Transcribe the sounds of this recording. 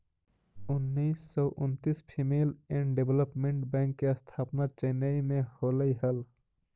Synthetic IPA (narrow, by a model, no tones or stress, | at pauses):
unːisːɔʔunt̪ispʰimelɛ̃ɳʈɖebʱləpmẽɳʈbɛ̃ŋkːeəst̪ʰapnaɾt͡ʃənəjmeholəjɦəl